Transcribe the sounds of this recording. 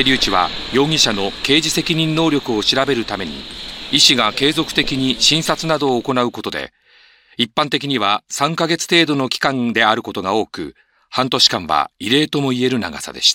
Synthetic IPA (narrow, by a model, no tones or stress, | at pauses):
eɾʲiːt͡ɕiβa̰jo̞ːŋʲiɕano̞ke̞ːd͡ʑise̞kʲiɲ̟ĩnːo̞ːɾʲjo̞kɯ̟o̞ɕiɾabe̞ɾɯ̟t̪ame̞ɲ̟ḭiɕiɡake̞ːzo̞kɯ̥t̪e̞kʲiɲ̟iɕĩɰ̃sat͡sɨnad̪o̞ːko̞naɯ̟ko̞t̪o̞d̪e̞̰ | ipːãnt̪e̞kʲiɲ̟iβ̞asãŋkaɡe̞t͡sɨ̥t̪e̞ːd̪o̞no̞kʲi̥kãnd̪e̞aɾɯ̟ko̞t̪o̞ɡao̞ːkɯ̟̰ | hãnt̪o̞ɕi̥kãɰ̃βa̰iɾe̞ːt̪o̞mo̞ie̞ɾɯ̟na̰ɡa̰sa̰d̪e̞̰ɕi̥t̪ḁ